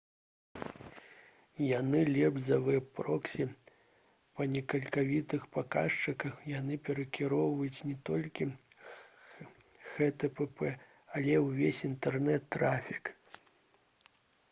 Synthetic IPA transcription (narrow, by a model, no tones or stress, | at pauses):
janɨlʲɛbzɐvɨjɛpɾɔksʲi | pɐnʲɛkɐlʲkavʲit̪ɨxpakaʂt͡ʂɨkɐxjanɨpʲɛɾɐkʲiɾɔwvɐjut͡sʲnʲɛt̪ɔlʲkʲi | xɛt̪ɛpɛpɛ | ɐlʲɛwvʲesʲint̪ɛrnɛt̪ːɾafʲik